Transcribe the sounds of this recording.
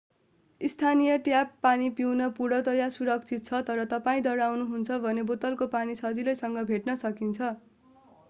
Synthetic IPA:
ist̪ʰanijʌʈjapːanipiwnʌpuɽʌt̪ʌjasuɾʌk̚t͡sʰit̪̚t͡sʰʌt̪ʌɾʌt̪ʌpaĩd̪ʌɽawnuɦunt͡sʰʌbʱʌnebot̪ʌlkopanisʌd͡zilʌjsʌŋɡʌbʱeʈnʌsʌkint͡sʰʌ

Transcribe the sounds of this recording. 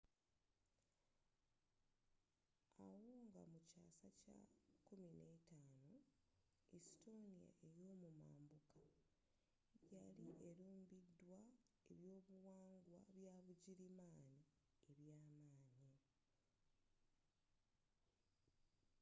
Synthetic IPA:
awoːŋɡa̰mucaːsaca̰kumine̞taːno | isi̥to̞nija̰ʔe̞joːmuma̰ːmbuka | jaliʔe̞ɾuːmbidːwa | e̞βjo̞ːβuwaːŋɡwaβjaːβuɟiɾimaːni | eβjaːmaːɲi

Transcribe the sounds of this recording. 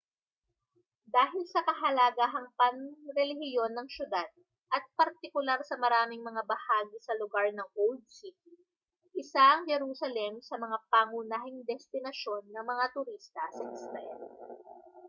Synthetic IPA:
d̪aːɦɪlsɐkɐɦɐlaɡaɦɐŋpɐnɾɛlɪhɪjo̞nːɐŋʃjʊd̪ad̪̚ | ʔɐt̪̚pɐɾt̪ɪkʊlaɾsɐmɐɾaːmɪŋmɐŋabɐhaːɡisɐlʊɡaɹnɐŋʔowld̪̚sit̪̚i | ʔɪsaʔɐŋd͡ʒɛɾusɐlɛmsɐmɐŋapaːŋunaːɦɪŋd̪ɛst̪ɪnɐʃo̞nːɐŋmɐŋat̪ʊɾist̪ɐsɛkst̪ajn

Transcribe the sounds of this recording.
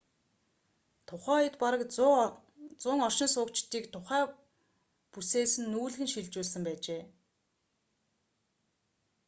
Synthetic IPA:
t̪ʰʊχæːɔj̆t̪paɾə̆k | t͡sʊːŋɔr̥ʃɪ̆nsʊːkt͡ɕt̪iːkt̪ʰʊχæː | puseːsɘ̆nːuːɮɣɘ̆nʃiɮt͡ɕʊːɮsə̆mpæːt͡ɕeː

